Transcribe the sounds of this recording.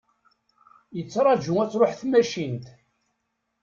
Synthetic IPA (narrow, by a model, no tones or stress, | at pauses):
jət͡sːɾˤɑd͡ʒʊæt͡sːɾoħθmæʃint̪